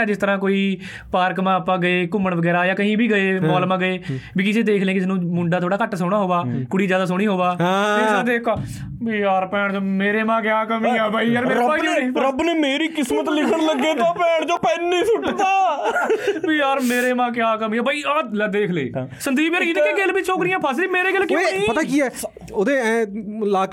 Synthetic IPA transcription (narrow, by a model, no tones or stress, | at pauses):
d͡ʒɪst̪əɾãːkoːiː | paːɾkmãːpãːɡəeːkʊmːəɳʋəɡɛːɾaːjãːkəɦĩːbʱiːɡəeːmɔːlmãːɡəeːbiːkɪseːd̪eːkʰlẽːkɪseːnũːmʊɳɖaːt̪ʰoːɽaːkəʈːsoːɽaːɦoːʋaːkʊɽiːd͡ʒjaːd̪aːs̬oːɽ̃iːɦoːʋaːesãːd̪eːkʰa | bijaːɾpɛːɳd͡ʒoːmeːɾeːmãːkɪjaːkəmĩːɛːbaiːəɾmeːɾaːiɾəbneːmeːɾiːkɪsmət̪lɪkʰəɽləɡːeːt̪ãːpɛːɳd͡ʒoːpɛːnːiːsʊʈd̪aː | biːjaːɾmeːɾeːmãːk̬ɪjaːkəmiːɛːbaːiːald̪eːkʰlḛːsənd̪iːbəːɾɪt̪ːkeɡelbiːt͡ʃʰoːkɾɪːãːpʰəs̬iːmeːɾeːɡəlkɪĩpət̪aːkiːɛː | oːd̪ẽːɛ̃ːlaːk